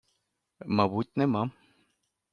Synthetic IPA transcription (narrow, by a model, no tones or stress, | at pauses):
maβut̪nemam